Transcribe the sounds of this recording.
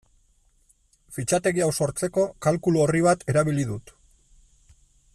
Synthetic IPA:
fit͡ʃat̪e̞ɣiawso̞ɾt͡se̞ko̞kalkuluo̞riβ̞at̪ʰe̞ɾaβ̞iliðut̪

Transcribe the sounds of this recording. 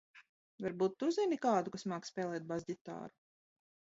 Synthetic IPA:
vaɾbuːt̪ːuzʲɛnikaːd̪ukasmaːkspʲɛːlˠɛːt̪̚bazʲdit̪a̰ːɾu

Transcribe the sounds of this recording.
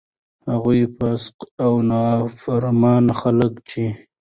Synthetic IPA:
haɣujpasqawnɑfaɾmɑnxaləkt͡ʃʰi

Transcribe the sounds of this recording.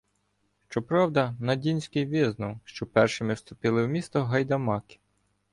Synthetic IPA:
ʃt͡ʃɔpɾɑwd̪ɐnɐdʲinʲsʲkɪjʋʲɪznʊwʃt͡ʃɔpɛrʃɪmɪwst̪ʊpʲilˠɪwmʲist̪ɔɦɐjd̪ɐmɑkɪ̥

